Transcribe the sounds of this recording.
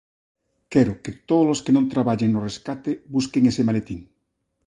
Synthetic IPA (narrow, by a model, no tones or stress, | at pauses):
kɛɾʊket̪oðoloskenõnt̪ɾaβaʎeŋnoreskat̪ebuskeŋesemalet̪iŋ